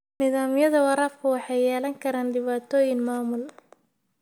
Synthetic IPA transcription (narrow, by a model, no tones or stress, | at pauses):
niðaːmjɐðɐwɑɾaːfkʰʊwɑħɑjjɛːlɐŋkʰɐɾaːnɖɪβaːt̪ʰɔːjɪŋmaːmʊl